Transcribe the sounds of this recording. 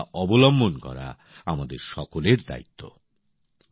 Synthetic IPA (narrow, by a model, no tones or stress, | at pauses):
ʔɔbolɔmbʱonkɔ̰ɾa̰ | amad̪eɾʃɔkoleɾd̪a̰it̪ʰːo̰